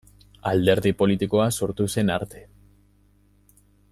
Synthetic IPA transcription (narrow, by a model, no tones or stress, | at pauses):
ald̪e̞ɾðipo̞lit̪iko̞aso̞ɾt̪use̞naɾt̪e̞̥